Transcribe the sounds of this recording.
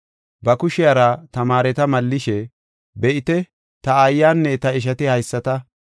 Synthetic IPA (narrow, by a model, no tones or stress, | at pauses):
bɐkʊʃɪjaːɾɐt̪ɐmaːɾɛt̪ɐmɐlːɪʃɛ | bɛʔɪt̪ɛ | t̪ɐɐjːaːnːɛt̪ɐɪʃ̬ɐt̪ɪhɐjsːɐt̪ɐ